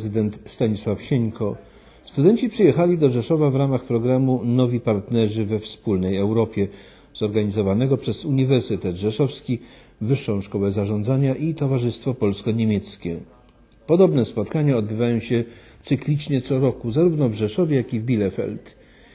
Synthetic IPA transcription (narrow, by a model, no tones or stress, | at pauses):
zɘd̪ɛnt̪st̪aɲiswafɕɛɲkʰɔ | st̪ud̪ɛnt͡ɕipʂɛjɛxalʲid̪ɔʐɛʂɔvavɾamaxpɾɔɡɾamunɔvʲipaɾt̪nɛʐɘvɛfspulnɛjɛwɾɔpʲjɛ | zɔɾɡaɲizɔvanɛɡɔpʂɛzuɲivɛɾsɘt̪ɛd̪ʐɛʂɔfskʲi | vɘʂːɔ̃w̃ʂkɔwɛzaʐɔnd̪zaɲaʔit̪ɔvaʐɘst̪fɔpɔlskɔɲemʲjɛt̪skʲɛ | pɔd̪ɔbnɛspɔt̪kaɲaɔd̪̚bɘvajɔ̃w̃ɕɛ | t̪sɘklʲit͡ʂɲɛt̪sɔɾɔkuzaɾuvnɔvʐɛʂɔvʲjɛjakʲivbʲilɛfɛ̰lt̪